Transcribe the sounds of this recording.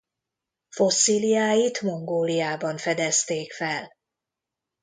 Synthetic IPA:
fo̞sːilijaːjit̪mo̞ŋɡoːlijaːbɒɱfɛd̪ɛst̪eːkfɛl

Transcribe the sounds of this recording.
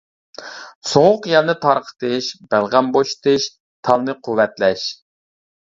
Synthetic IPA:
soŋʊqjɑlˠnɨt̪ʰɑɾqʰə̥t̪ɨʃb̥ælˠʁæmboʃt̪ɨʃ | t̪ʰɑlˠnɨqʰuwːɛt̪lɛʃ

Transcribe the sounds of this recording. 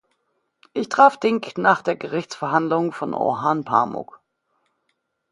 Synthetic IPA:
ʔɪçtʁ̥aːfd̥ɪŋknaːχd̥eːɐɡəʁɪçt͡sfɛɐɦandlʊŋfɔnʔo̰ɦanpʰa̰mʊ̰k

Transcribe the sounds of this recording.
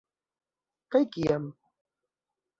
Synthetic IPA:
kajkijam

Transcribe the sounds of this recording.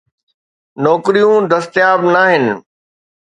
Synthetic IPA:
nɔːkɪɾijũd̪ɐst̪ɪjaːbnaːɦɪnɪ̆

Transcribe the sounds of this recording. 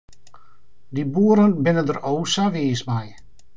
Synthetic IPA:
dibuəɾənbɪnədərowsaʋiːəsmaj

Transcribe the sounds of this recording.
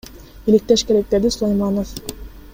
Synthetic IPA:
ilɪk̚t̪eʃkeɾek̚d̪ed̪isulˠajmɑnof

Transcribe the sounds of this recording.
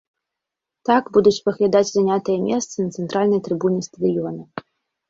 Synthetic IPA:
t̪aɡbud̪ut͡sʲpɐɣlʲad̪ad͡zʲzanʲat̪ɨjɐmʲɛst̪sɐnɐt̪sɛnt̪ɾʔalʲnɐjt̪ɾɨbunʲɛst̪ɐd̪ɨjɔnɐ

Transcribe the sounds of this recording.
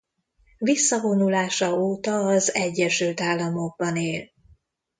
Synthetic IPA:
visːɒvo̞nulaːʃɒoːt̪ɒːzɛɟːɛʃylt̪aːlːɒmo̞ɡ̚bɒneːl

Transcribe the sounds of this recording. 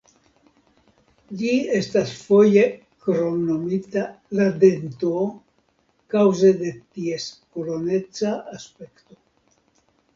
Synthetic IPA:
d͡ʒie̞stasfo̞je̞ | kɾo̞mno̞mitalad̪ento | kawzede̞t̪ie̞skolo̞ne̞t͡saːspe̞kto̞

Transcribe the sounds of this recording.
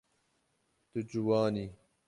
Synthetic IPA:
t̪ud͡ʑuwaːni

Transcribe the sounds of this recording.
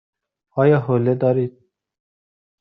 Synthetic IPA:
ɑːjɑːɦoled̪ɔːɾiːt̪̚

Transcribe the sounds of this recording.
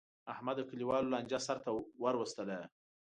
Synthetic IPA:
ahmad̪əkəliwɑlolanʲd͡ʒasaɾt̪awaɾwəst̪əla

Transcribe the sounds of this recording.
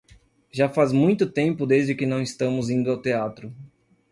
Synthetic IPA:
ʒafazmũj̃t̪ʊt̪ẽmpʊd̪ezd͡ʒɪkɪnɐ̃w̃ɪst̪ɐ̃mʊzĩnd̪ʊawt̪eat̪ɾʊ

